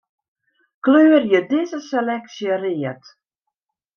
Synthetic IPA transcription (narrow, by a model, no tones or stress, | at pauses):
kløːərjədɪzəselɛksjəriət